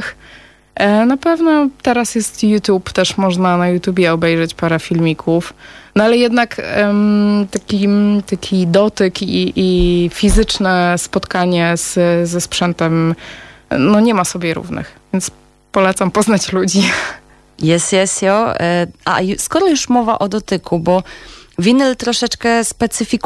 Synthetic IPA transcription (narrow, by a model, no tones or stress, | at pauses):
x | napɛvnɔt̪ɛɾasjɛst̪jut̪ʲjupt̪ɛʂmɔʐnanajut̪ʲjubʲjɛɔbɛjʐɛt͡ɕpaɾɛfʲilmʲikʰufnɔalɛjɛd̪nak | t̪akʲit̪akʲʰid̪ɔt̪ɘkiʔːfʲizɘt͡ʂnɛspɔt̪kaɲɛz̥zɛspʂɛnt̪ɛm | nɔɲɛmasɔbʲjɛɾṵvnɘ̰xvʲjɛnt̪s | pɔlɛt̪sampɔznat͡ɕlud͡ʑi | jɛsjɛsjɔʔa̰juskɔɾɔjuʂmɔvaʔɔd̪ɔt̪ɘkubɔvʲinɛlt̪ɾɔʂɛt͡ʂkɛspɛt̪sɘfʲik